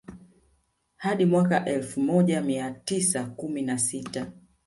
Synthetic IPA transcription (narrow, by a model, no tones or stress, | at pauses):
haɗimwakaʔɛlfumɔʄamiatisakuminasita